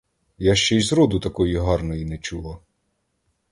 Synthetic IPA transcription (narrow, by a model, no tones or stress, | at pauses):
jaʃt͡ʃɛjzɾɔd̪ʊt̪ɐkɔjiɦɑrnɔjinɛt͡ʃulˠɐ